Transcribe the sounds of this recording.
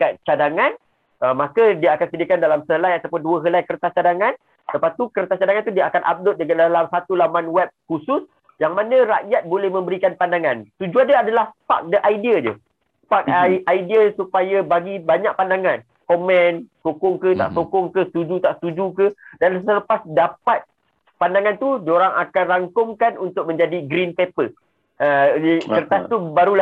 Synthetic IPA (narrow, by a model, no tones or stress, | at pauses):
kat̪̚t͡ʃadaŋãn | əmakadiaakansədiakandalamsəɦəlajat̪apʊnduəɦəlajkəɾt̪at͡ʃadaŋãn | səpat̪ukəɾt̪at͡ʃadaŋãnt̪udiaakanʔa̰p̚dʊt̪̚dəɡadalamsat̪ulamanwɛp̚kusus | jaŋmanə̃ɾaʔjat̪̚bolɛhmə̃mbəɾikanpandaŋãnst̪ud͡ʒuandaadalahpa̰k̚dəʔajdiad͡ʒṵ | pak̚ʔajdiasupajabaɡibaɲak̚pandaŋãn | komɛ̃nsokɔŋkət̪a̰ʔsokʊŋkəst̪ud͡ʒut̪aʔsə̥t̪ud͡ʒukədansələpasdapat̪̚ | pandaŋãnt̪udioɾaŋakanraŋkʊŋkanunt̪ʊk̚mə̃ɲd͡ʒadiɡɾinpepə | əəɾt̪ast̪ubaɾula